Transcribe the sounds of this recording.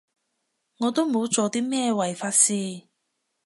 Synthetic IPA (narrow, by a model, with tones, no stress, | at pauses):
ŋɔː˨˧t̪o˥wmo˨˧wt͡so˨˩t̪iː˥mɛː˥˧wɐ˨˩jfaː˧t̚siː˧